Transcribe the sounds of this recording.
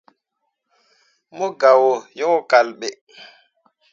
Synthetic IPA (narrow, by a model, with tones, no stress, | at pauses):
mɔ˦ɡa˨wo˨jɔ˦ŋ˦ka˨lɓɛ˨